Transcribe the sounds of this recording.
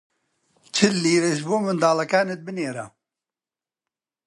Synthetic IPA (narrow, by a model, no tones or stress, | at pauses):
t͡ʃʰɨlːiːɾeʒboːmɨnd̪aːlɐkaːnɨt̪̚bɨneːɾa̰